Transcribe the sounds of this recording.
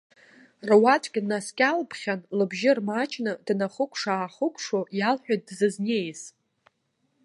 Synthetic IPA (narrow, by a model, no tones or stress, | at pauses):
rwatʷʼɡʲnaskʲʼalpʰχʲanlɨbʒɪrmat͡ʃʰʼnɨdnaχəkʷʼʰʂaːχəkʷʰʼʂojalħʷᶣat̚dzɨznejs